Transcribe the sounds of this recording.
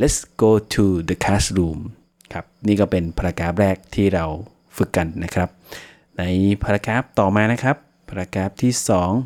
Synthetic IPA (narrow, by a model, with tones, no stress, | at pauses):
lɛ˦˥t̚sɡ̥oː˧t̪ʰuː˧d̪ə˨˧kʰaː˦˥sɾuː˧m | kʰa˦˥p̚niː˥˩kɔː˥˩pe˧npʰa˧ɾa˧kaː˦˥p̚ɾɛː˥˩k̚t̪ʰiː˥˩ɾa˧w | fɯ˨˩kːa˧nːa˦˥kʰɾa˦˥p̚ | na˧jpʰa˧ɾa˧kaː˦˥p̚t̪ɔː˨˩maː˧na˦˥kʰɾa˦˥pʰa˧ɾa˧kaː˦˥p̚t̪ʰiː˥˩sɔː˩˦ŋ